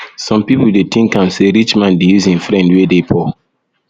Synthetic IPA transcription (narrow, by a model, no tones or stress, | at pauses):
sɔ̃mpipuldetʰĩŋkãnseɾit͡ʃmãndejuzĩnfɾɛ̃ndwedepʰɔ